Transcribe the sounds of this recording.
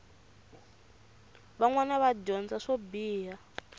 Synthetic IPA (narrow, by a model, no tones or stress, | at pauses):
βaŋwanaβaɟɔnd͡zaʂobiːɦa